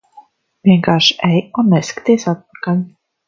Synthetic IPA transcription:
vʲiɛŋkaːɾʃɛjunːeskt̪ʲiːsat̪̚p̚ḁkalʲ

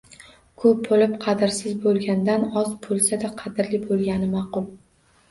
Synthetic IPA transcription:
kʰɵp̚bolɪpqʰɑd̪ɪɾsɪzbolˠɡʲand̪anɒzbʰolˠsad̪aqʰɑd̪ɪɾlɪbolˠɡʲanɪmɑqʊlˠ

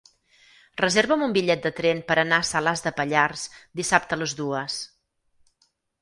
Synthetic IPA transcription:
rəzeɾβəmumbiʎɛt̪̚d̪ət̪ɾɛnpəɾənaəsəlazðəpəʎarsd̪isap̚t̪ələzðuəs

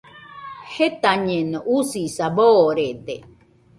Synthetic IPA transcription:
het̪aɲẽnoʔusisaboɾed̪e

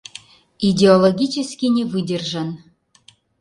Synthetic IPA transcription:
idʲeolˠoɡʲit͡ɕĕskʲinʲevɨdʲə̆rʒə̆n

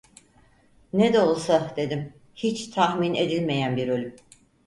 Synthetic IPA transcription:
ned̪ɛolˠsad̪e̞d̪im | hit͡ʃt̪ʰahmine̞d̪ilʲme̞jænbiɾø̞lʲym

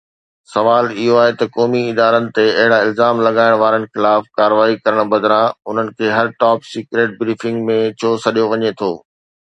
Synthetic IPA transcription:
sɐʋaːlɪɦoaːɦet̪ɐkɔːmiɪd̪aːɾənɪ̆t̪eɐɦɪɽaɪlzaːmlɐɠaːɪɽ̃ʋaːɾənɪ̆xɪlaːfkaːɾʋaːikɐɾəɽ̃bɐd̪ɾãʊn̤ənɪ̆kʰeːɦɐɾʈɔːpsiːkɾeːʈ̚bɾiːfɪ̃ŋɡmẽt͡ɕʰoːsɐɗijoʋɐɲet̪ʰoː

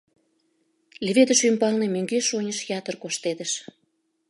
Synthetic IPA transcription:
lʲeβed̪ə̆ʃympɑlnemøŋɡeʃonʲəʃjɑt̪ərkoʃt̪ed̪ə̆ʃ

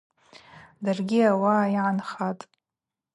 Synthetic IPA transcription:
darɡʲiawaːjiʕanχatʼ

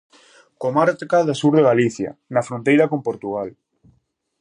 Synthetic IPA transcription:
komaɾt̪kaðasuɾðeɣaliθja̰nafɾont̪ejɾakompoɾt̪uɣal

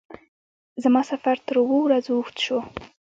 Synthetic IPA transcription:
zamɑsafaɾt̪əɾwowɾazuxt̪ʃo

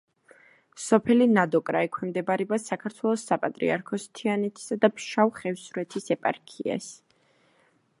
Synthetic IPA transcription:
sɔpʰɛlinad̪ɔkʼɾaikʰwɛmd̪ɛbaɾɛbasakʰaɾt̪ʰwɛlˠɔsːapʼat̪ʼɾḭaɾkʰɔst̪ʰianɛt̪ʰi̥sad̪apʃawχɛvsɾɛt̪ʰisɛpʼa̰ɾkʰia̰s

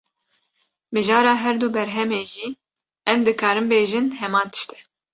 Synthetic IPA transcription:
mɨʒɑːɾɑːɦɛɾd̪uːbɛɾɦɛmeːʒiː | ɛmd̪ɨkʰɑːɾɨmbeːʒɨnhɛmɑːnt̪ʰɨ̥ʃt̪ɛ̥

